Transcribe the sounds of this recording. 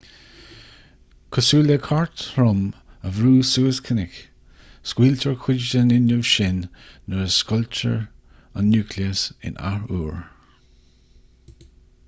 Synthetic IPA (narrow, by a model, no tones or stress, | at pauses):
kʰɔsuːləkʰaɹt̪ɾʊməvɾuːsuːəskʰənɪk | skwiːlt̪ʰəɹkʰɪd͡ʒdənɪnʊvʃɪnːəɹəskɔlt͡ʃə̰ɹ | ənːuːkʰliəsɪ̰nʔa̰ɹuːɹ